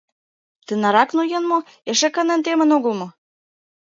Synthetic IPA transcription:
t̪ə̆nɑɾɑknojɤ̆nmo | eʃĕkə̆nə̆nt̪emə̆noɣə̆lmo

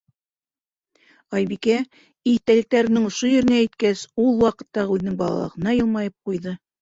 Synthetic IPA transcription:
ɑjβikæ | it̪ælɘ̆k̚t̪æɾɘ̆nɘŋŏʃojɵ̆ɾɘ̆næit̪kæsulˠwɑqɤ̆t̪ːɑʁʉðɘ̆nɘŋbɑlˠɑ̰lˠɤ̰ʁɤ̆nɑjɤ̆lˠmɑjɤp̚qujðɤ

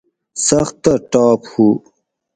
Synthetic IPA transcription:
sɐxt̪ːaʈɑːphu

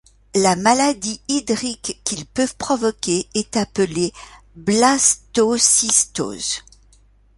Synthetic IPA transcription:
lamalad̪iid̪ʁikːilpøvpχɔvɔkʲeɛt̪apəle | blast̪osist̪o̰ːz

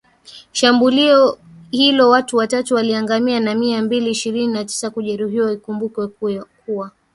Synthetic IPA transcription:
ʃambuliɔ | hilɔwatuwatatuwaliaŋɡamianamiambiliːʃiɾininati̥sakuʄɛɾuɦiwaikumbukwɛkuwa

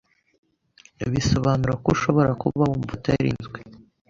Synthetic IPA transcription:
iβiso̞βaːnuɾakuʃo̞βo̞ɾakuβaumvutajiɾḭːnzɡwe

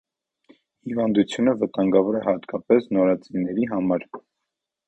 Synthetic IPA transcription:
hivɑnd̪ut͡sʰjunəvət̪ɑŋɡɑvɔɾɛhɑt̪kɑpɛsnɔɾɑt͡sinɛɾiɦɑmɑɾ

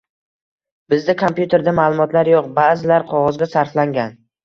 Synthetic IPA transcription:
bɪzd̪akʰompjut̪ʰe̞ɾd̪amaːlˠʊmɒt̪ʰlaɾjoqbaːzɪlaɾqʰɒʁɒzɡʲasaɾflaŋɡʲan

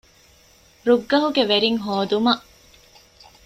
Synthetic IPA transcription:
ɾuɡːɐɦuɡeʋeɾiŋɦoːd̪umɐʔ

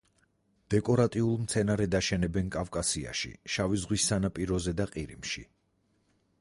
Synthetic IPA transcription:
d̪̥ɛkʼɔɾat̪ʼiulˠmt̪sʰɛnaɾɛd̪aʃɛnɛbɛnkʼafkʼasia̰ʃḭʃavizʁwisːanapʼiɾɔzɛd̪aqʼiɾimʃḭ

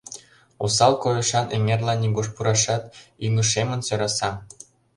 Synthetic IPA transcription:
osɑlkojɤʃɑnʔemerlɑnːiɡoʃpuɾɑʃɑt̪yŋə̆ʃemə̆nsøɾɑsɑ

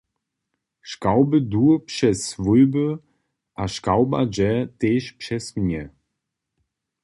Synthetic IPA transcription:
ʃkawbəduːpʃɛsvʊʏbə | ʔaʃkawba̰d͡ʒɛteːʃpʃɛsmnɛ

